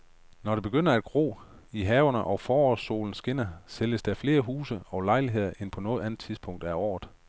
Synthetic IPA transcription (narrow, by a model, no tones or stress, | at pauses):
nɒɾ̥e̝b̥e̝ɡ̥øn̰ɐæd̥̚ɡ̥ʁo̰ː | iɦɛːʊɐnəʔɒ̽fɒːɒso̝̰ːln̩sɡ̥en̰ɐseləsd̥æfle̝ːɐɦuːsəɒ̽ʊlɑ̈ɪliɦe̝ð̞̰ˠɐʔenpʰɒ̽nɔ̽ːð̩ˠænð̩ˠt͡sʰiðˠsb̥ʰɔ̽ŋ̰d̥æɒ̰ːð̥ˠ